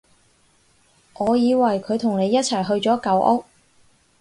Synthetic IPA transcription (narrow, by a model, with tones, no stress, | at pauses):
ŋɔː˨˧jiː˨˧wɐ˨˩jkʰɵ˨˧ɥt̪ʰʊ˨˩ŋne˨˧jːɐ˥t̚t͡sʰɐ˨˩jɦɵ˧ɥt͡sɔː˨˥kɐ˨˧wʔʊ˥k̚